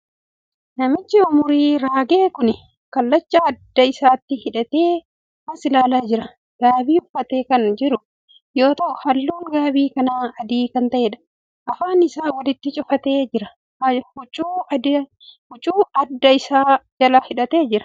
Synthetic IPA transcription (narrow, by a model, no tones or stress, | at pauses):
nɐmɪt͡ʃːɪʊmʊɾiːɾaːɡe̞ːkʊnɪ | kɐlːɐt͡ʃːɐːd̪ːɐɪsaːt̪ːɪhɪᶑɐt̪eː | mɐnsɪlaːlaːd͡ʒɪɾɐ | ɡ̥aːbiːʊfːɐt̪e̞ːkɐnd͡ʒɪɾʊ | joːt̪ɐʔhɐlːuːŋɡaːbiːkɐnaːɐd̪iːkɐnt̪ɐʔeːᶑɐ̥ | ʔɐfaːnɪsaːwɐlɪt̪ːɪt͡ʃʼʊfɐt̪eːd͡ʒɪɾɐ | hʊt͡ʃʼuːd̪ | hʊt͡ʃʼuːɐd̪ːɐɪsaːd͡ʒɐlɐhɪᶑɐt̪e̞ːd͡ʒɪɾɐ̥